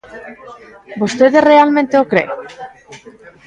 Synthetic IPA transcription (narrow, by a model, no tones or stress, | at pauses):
bost̪eðere̞alme̞nt̪eokɾḛ